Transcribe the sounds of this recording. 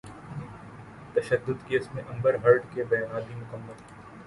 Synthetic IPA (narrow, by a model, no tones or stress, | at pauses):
t̪ɐʃəd̪ːʊd̪keːsmẽʔɐ̃mbəɾɦɐɾɖkebɐnaːd̪imʊkəmːəl